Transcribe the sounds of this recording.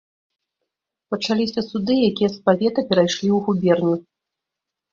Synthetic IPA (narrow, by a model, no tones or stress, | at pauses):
pɐt͡ʂalʲisʲɐsud̪ɨjakʲijɐspavʲɛt̪ɐpʲɛɾajʂlʲiwɣubʲɛrnʲu